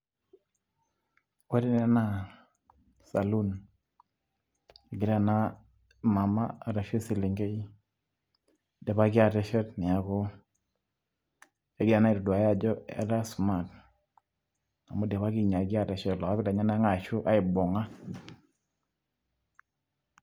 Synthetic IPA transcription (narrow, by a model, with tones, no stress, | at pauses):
e˦di˦nɛ˦na˦ | sa˨lu˦n | e˨ɡɪ˨ɾa˦˨na˦ | ma˨ma̰˦a˨ɾa˨ʃe˦si˨li˨ŋɡe˦j | dɛ˨ba˦ɡɪ˦a˦˨tɛ˨˦ʃɛ˦tni˨a˨˦kɔ˦ | e˨ɡɪ˦ɾa˨na˦i˨dɔ˨dwa˨ja˦d͡ʒɔ˦ɛ̰˨ɾa˦sma˨t | a˨mo˦dɛ˨βa˦ki˦ɲa˨ɡɪ˦a˨tɛ˨ʃɛ˦tlɔ˨ka˦bɪ˦la˨ɲa˦na˦ŋa˨ʃʊ˦ʔa˦ɪ˨bɔ˨ŋa˦